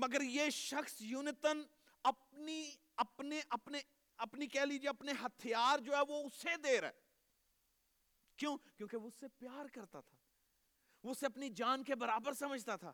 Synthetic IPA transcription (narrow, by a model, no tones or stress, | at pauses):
mɐɡəɾjeːʃəxsjʊnɪt̪ən | ɐpni | ɐpneʔɐpne | ɐpnikɛːliːd͡ʒieɐpneɦɐt̪ʰijaːɾd͡ʒoːɦɛʋoʊsed̪eːɾɛ̰ː | kjõːkjõːkeʋoʊsːepjaːɾkɐɾt̪at̪ʰaː | ʋoʊseɐpnid͡ʒaːnkebɐɾaːbəɾsɐməd͡ʒʱt̪at̪ʰa̰ː